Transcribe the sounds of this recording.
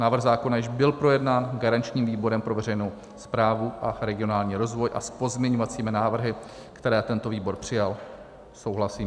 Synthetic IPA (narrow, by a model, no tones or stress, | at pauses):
naːvr̩ɣzaːko̞najɪʒbɪlpɾo̞jɛdnaːnɡaɾant͡ʃɲiːmviːbo̞ɾɛmpɾo̞vɛɾɛjnow | spɾaːvuʔaɾɛɡɪo̞naːlɲiːɾo̞zvo̞jʔa̰spo̞zmɲɛɲovat͡siːmɪnaːvr̩ɦɪ | kt̪ɛɾɛːt̪ɛnt̪o̞viːbo̞ɾpr̝̥ɪjal | so̞wɦlasiːm